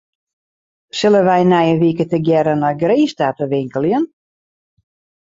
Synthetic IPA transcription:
sɪlˠəʋɛjnɛjənʋikətəɡjɛɾənɔjɡreːstatəʋɪŋkəlˠjən

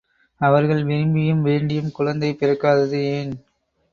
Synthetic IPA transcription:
ɐʋɐɾɣɐɭʋɛɾɪmbɪjɯmʋeːɳɖɪjɯmkʊɻɐnd̪ɐɪpɪɾɐkːaːðɐðɯeːn

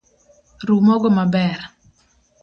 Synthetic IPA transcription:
rumɔɡɔmabɛr

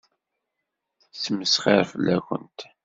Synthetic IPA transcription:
səməsχeɾfəlːækə̰nt̪

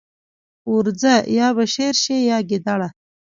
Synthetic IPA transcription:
uɾd͡zajɑβaʃeɾʃejɑɡɪd̪aɽa

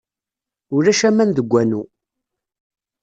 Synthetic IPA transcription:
ʊɾæʃæmænðəɡʷːænu

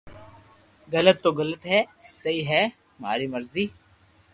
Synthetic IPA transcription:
ɣɐlət̪ːoɣɐlət̪ɦɛːsɐiːɦɛː | ma̰ːɾiːmɐɾziː

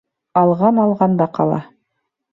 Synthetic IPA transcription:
ɑlˠʁɑnɑlˠʁɑnd̪ɑqɑ̰lˠɑ̰

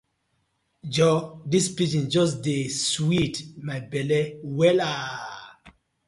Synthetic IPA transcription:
d͡ʒɔdispid͡ʒĩnd͡ʒɔs̬deswitmabɛlɛwɛla

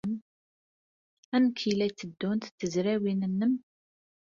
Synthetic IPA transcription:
m | ænəkːilæjt͡sːəd̪ːunt̪t͡sːəzɾæwinənːəm

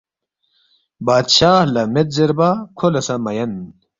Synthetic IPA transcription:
baːd̪ɕaːhlɐmet̪̚zeɾbakʰolɐsɐmɐjɐn

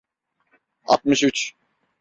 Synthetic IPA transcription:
a̰t̪̚mɯʃyt͡ʃ

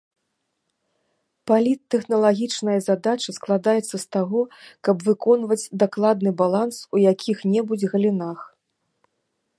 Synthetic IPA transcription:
palʲit̪ːɛxnɐlˠaɣʲit͡ʂnɐjɐzad̪at͡ʂɐsklˠad̪ajɛt̪sːɐst̪aɣɔkɐbvɨkɔnvɐd͡zʲd̪aklˠad̪nɨbalˠansujakʲʰixnʲɛbud͡zʲɣɐlʲinax

